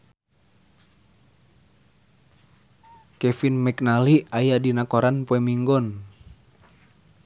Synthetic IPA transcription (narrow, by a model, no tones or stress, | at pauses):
kɛfinmɛknaliajadinakɔɾanpoɛmiŋɡɔn